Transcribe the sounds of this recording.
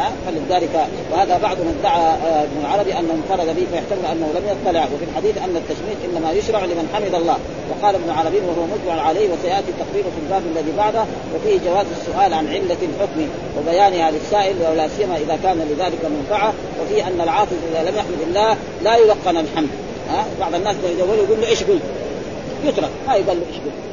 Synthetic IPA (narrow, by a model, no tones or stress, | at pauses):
afalɪd̪aːlɪka | wɪhaːðabɑʕd̪ˤʊnad̪ːaʕaɪbnalʕɑɾˤɑbiʔanːahʊnfɑɾˤɑd̪abɪfajaħt̪amɪlʔanːahulamjɑt̪ˤːɑlɪʕwafilħad̪iːθʔanːat̪ːaʃmiːqʔɪnːamajʊʃɾˤɑʕlɪmanħamɪd̪ɑlˤːɑː | wɑqɑːlbnʊlʕɑɾˤɑbiːnwahʊwamʊt̪bɪʕʊʕalaːhwasajaʔt̪it̪ːɑqɾiːɾfilbaːbalːaðiːbaʕd̪ha | wafiːhd͡ʒawaːzasːʊʔaːlʕanʕɪlːalħʊkmi | wabajaːnɪhalisːaːʔɪlwawlaːsijːamaʔɪðakaːnaliðaːlɪkalmʊnfɑʕa | wafiːʔanːalʕɑːt̪ˤɨzˤʔɪðalamjaħmad̪alːaː | laːjʊlɑqːɑnalħamd̪ | habɑʕd̪ˤanːaːslajd̪awːaljɡuːlːuʔɪʃɡul | jʊt̪ɾˤɑkmajɡalːuʔaʃɡʊl